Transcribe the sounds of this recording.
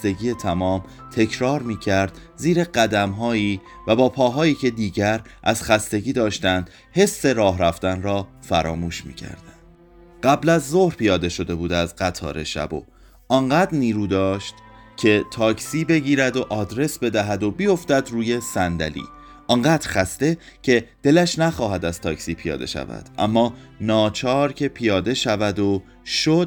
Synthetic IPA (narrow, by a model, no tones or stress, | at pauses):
t̪e̞ɡiːje̞t̪ʰæmɒːm | t̪ʰe̞cʰɾɒːɾmiːcʰæɾd̪̥ | ziːɾe̞ɢæd̪æmɦɒːiː | væbɒːpʰɒːɦɒːjiːcʰe̞d̪iːɟæɾʔæz̥xæst̪e̞ɟiːd̪ɒːʃt̪ænd̪̥ | he̞sːe̞ɾɒːɦɾæft̪ænɾɒːfæɾɒːmuːʃmḭːcʰæ̰ɾd̪̥ænd̪̥ | ɢæblæzːo̞hɾpʰijɒːd̪e̞ʃo̞d̪e̞buːd̪æzɢæt̪ʰɒ̰ːɾʔe̞̰ʃæ̰bo̰ | ʔɒːnɢæːd̪ɾniːɾuːd̪ɒːʃt̪ | cʰe̞t̪ʰɒːcʰsiːbe̞ɟiːɾæd̪oʔɒːd̪ɾe̞sbe̞d̪æɦæd̪o̞bijo̞ft̪æd̪ruːje̞sænd̪æ̰lḭː | ʔɒːŋɢæːt̪ɾxæst̪e̞ | cʰe̞d̪̥e̞læʃnæxɒːɦæd̪æz̥t̪ʰɒːcsiːpʰijɒ̰ːd̪e̞̰ʃæ̰væ̰d̪̥ʔæ̰mːɒːnɒːt͡ʃʰɒːɾcʰe̞pʰijɒːd̪e̞ʃævæd̪o̞ | ʃod̪̥̚